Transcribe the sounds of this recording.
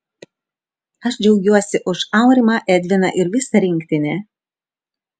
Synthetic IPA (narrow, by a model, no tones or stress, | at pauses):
ɐʃd͡ʒʲɛʊɡʲuɔsʲɪʔʊʃɑˑʊɾʲɪˑmɑʔɛd̪ʲʋʲɪnɐʔɪɾʋʲɪsɐɾʲɪŋʲkʲt̪ʲɪnʲeː